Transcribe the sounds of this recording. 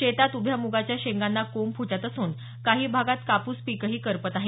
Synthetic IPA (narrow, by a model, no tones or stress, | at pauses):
et̪at̪ubʱjamuɡat͡ɕjaɕeŋɡanːakompʰut͡ɕat̪əsuːn | kaɦiːbʱaɡat̪kapuːspiːkəɦiːkəɾpət̪aɦe